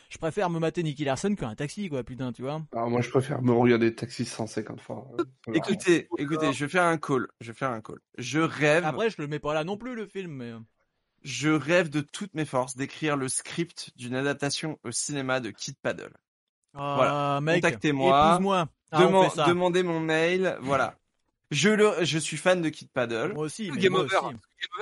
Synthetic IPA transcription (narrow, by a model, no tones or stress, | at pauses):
ʒ̥ə̥pχefɛʁməmat̪enik̬ʲilaʁsɔnkʲəɛ̃t̪aksikwapyt̪ɛ̃t̪yvwaamwaʒəpχefɛ̰ʁməʁəɡaʁd̪et̪aksisɑ̃sɛkɑ̰̃t̪fwa̰ekut̪eekut̪eʒəvɛfɛʁɛ̃kʰolʒəvefɛʁɛ̃ko̰l | ʒəʁɛvapχɛʒələmɛpalanɔ̃plyləfilmːɛ | ʒəʁɛvd̪ət̪ʰut̪mefɔʁsd̪ekχiʁləskχipt̪d̪ynad̪ap̚t̪asjɔ̃osinemad̪əkʲʰid̪̚pad̪œ̰l | avwalamɛ̃kkt̪ak̚t̪emwamwa | d̪ə̃mɑ̃ɛsad̪əmɑ̃d̪emɔ̃mɛjlvwala̰ | ʒələʒəsɥifand̪əkʲid̪̚pad̪œlosiɡɛmɔvʁɡɛmɔv